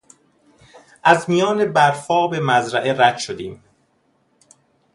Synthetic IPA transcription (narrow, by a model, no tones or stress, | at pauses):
ʔæzmijɒːne̞bæɾfɒːbe̞mæzɾæʔe̞ɾæd̪ʃod̪iːm